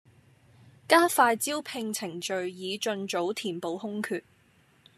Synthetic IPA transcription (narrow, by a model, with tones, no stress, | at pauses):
kaː˥faː˧jt͡siː˥wpʰɪ˧ŋt͡sʰɪ˨˩ŋt͡ʃɵ˨˧ɥjiː˨˧t͡ʃɵ˧nt͡ʃo˨˥wt̪ʰiː˨˩npo˨˧whʊ˥ŋkʰyː˧t̚